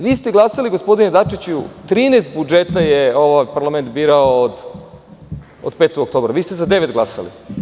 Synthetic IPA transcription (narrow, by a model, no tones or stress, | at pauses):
ʋiːst̪eɡlˠasaliɡospo̞d̪ined̪at͡ʂit͡ɕut̪ɾiːnest̪̚bud͡ʒet̪ajeo̞ʋajpaɾlˠame̞nt̪biːɾaoːd̪ | o̰d̪pe̞ːt̪oɡok̚t̪o̞ːbɾaʋiːst̪ezad̪e̞ʋet̪ɡlasa̰lḭ